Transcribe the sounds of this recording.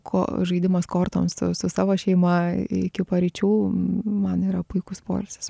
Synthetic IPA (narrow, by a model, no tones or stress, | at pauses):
kʰo̰ːʒɐɪd̪ʲɪmɐskoːrt̪oːmsʊ̰sʊsɑːʋoːʃʲɛɪmɐɪɪkʲɪpɐɾʲɪt͡ʃʲuːmɐniːɾɐpʊɪkʊspo̰ːlʲsʲɪ̥s